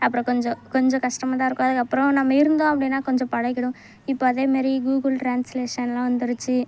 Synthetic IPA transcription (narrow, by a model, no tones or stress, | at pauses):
ɐpːɯɾɔ̃kɔɲd͡ʒɔ̃kɔɲd͡ʒɔ̃kɐʂʈɐmaːt̪ãːɪɾɯkːʊɐðɯkːɐpːɯɾɔ̃nɐmːɐɪɾɯnd̪õːɐpːɐɽɪnːaːkɔɲd͡ʒɔ̃pɐɻɐɪkːɪɽʊ̃ | ɪpːoːɐðeːmaːɾiɡuːɡɯlʈɾaːnsleːʂɐnlãːʋɐnd̪ɯɾɯt͡ʃːɯ